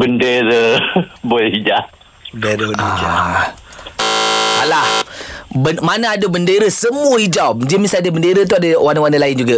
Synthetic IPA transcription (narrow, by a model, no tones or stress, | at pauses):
bəndeɾəboid͡ʒa | eɾədad͡ʒa | alahbəmanaadəbəndeɾəsəmuəid͡ʒamd͡ʒimĩsaadəbəndeɾət̪̬uadəwanəwanəlaɪnd͡ʒuɡa